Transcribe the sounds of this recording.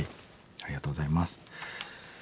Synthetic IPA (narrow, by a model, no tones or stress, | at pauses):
i | aɾʲiɡat̪oːɡozaimasɨ̥